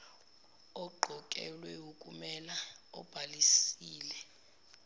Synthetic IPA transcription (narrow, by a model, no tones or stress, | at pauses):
ɔɡ͡ǃʱɔkʼɛ̰lwɛukʼumɛlaɔ̰b̥ʱalisiːlɛ